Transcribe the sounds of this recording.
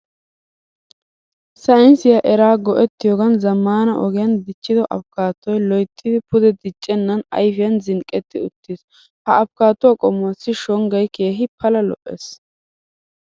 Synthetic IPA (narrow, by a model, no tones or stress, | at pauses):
sɐɪnsɪjɐʔɛɾaːɡɔʔɛt̪ːɪjoːɡɐnzɐmːaːnɐʔɔɡɪjɐnd̪ɪt͡ʃːɪd̪ɔʔɐ̰bkaːt̪ːɔjlɔjt̪ʰʼːɪd̪ɪpʊd̪ɛd̪ɪt͡ʃʼːɛnːɐnɐ̰jfɪjɐnzɪŋkʼːɛt̪ːɪʊt̪ːis | hɐɐbkaːt̪ːʊwaːkʼɔmʊɐsːɪʃɔŋɡɐjke̞ːɦɪpʰɐlɐlɔ̰ʔḛs